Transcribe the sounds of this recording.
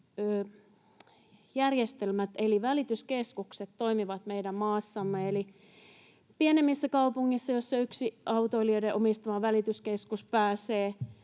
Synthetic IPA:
øː | jærjest̪elmæt̪eliʋælit̪yskeskukset̪to̞imiʋɑt̪meidæmmɑːsːɑmːeeli | pienemːisːækɑupuŋːisːɑjosːɑyksiʔɑut̪oiliødeʔomist̪ɑmɑʋælit̪yskeskuspæːseː

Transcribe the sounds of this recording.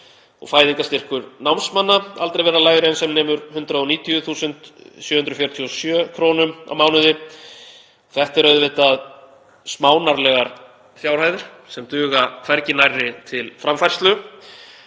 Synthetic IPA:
ɔ̰ɣfaːjðiŋkast̪ɪr̥kʏɾnawmsmanːaalt̪ɾejvɛɾːalaːjðʏɾɛnsɛmnɛːmʏɾhʏnt̪ɾaðɔniːt̪ʰiʏθuːsʏnt̪sjœːhʏnt̪ɾʏfjœɾ̥t̪ʰiɔsjœːkʰɾoːnʏma̰wmaːwnʏðɪ | ɔθɛht̪aɛɾœðvɪt̪að | smaːwnaɾlɛɣaɾ | fjaːwɾhaːjðɪɾ̥ | sɛmt̪ʏːɣafɛɾcɪnajrːɪt̪ʰɪlfɾamfajr̥st̪lʏ

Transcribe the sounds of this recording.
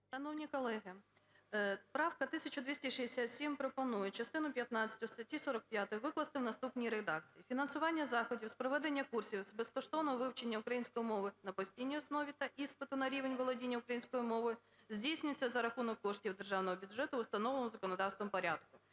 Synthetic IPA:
ʃɐnɔwnʲikɔlˠɛɦɪ | pɾɑwkɐt̪ɪsʲɐt͡ʃʊd̪ʲʋʲisʲtʲɐʃiesʲat̪sʲimpɾɔpɔnujɛt͡ʃɐst̪ɪnʊpʲjɐt̪nɑt͡sʲːɐ̥tʲʊst̪ɐtʲːisɔɾɐk̚pʲjat̪ɔjʋɪklˠɐst̪ɪwnɐst̪upnʲijɾed̪ɑk̚t͡sʲijifʲinɐnsʊʋɑnʲːɐzɑxɔdʲiwspɾɔʋɛd̪enʲːɐkursʲiwzbɛskɔʃt̪ɔnɔɦɔʋɪwt͡ʃenʲːɐʊkɾɐjinʲsʲkɔjimɔʋɪnɐpɔsʲtʲijnʲijɔsnɔʋʲit̪ɐʔispɪt̪ʊnɐɾʲiʋenʲʋɔlˠɔdʲinʲːɐʊkɾɐjinʲsʲkɔjimɔʋɪ | zʲdʲijsʲnʲʊjt͡sʲːɐzɐɾɐxunɔkːɔʂtʲiwd̪erʒɑwnɔɦɔbʲʊdʐɛt̪ʊʊst̪ɐnɔʋɔmʊzɐkɔnɔd̪ɑwst̪ʋɔmpɔɾʲad̪kʊ

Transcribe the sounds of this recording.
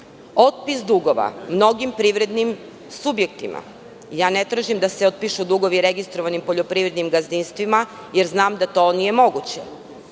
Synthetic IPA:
o̞t̪̚pisd̪uɡo̞ʋa̰mno̞ɡimpɾiʋɾe̞d̪nim | subje̞k̚t̪imʔa̰ | jaːnet̪ɾaʒimd̪aseot̪̚piʃud̪uɡo̞ʋiɾe̞ɡist̪ɾo̞ʋanimpoʎopɾiʋɾed̪nimɡazinst̪ʋima | jeɾznaːmd̪at̪o̞nije̞mo̞ɡut͡ɕe

